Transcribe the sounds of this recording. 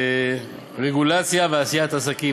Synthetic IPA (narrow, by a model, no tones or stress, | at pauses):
ʁeɡulat͡sjaveasijat̪asaki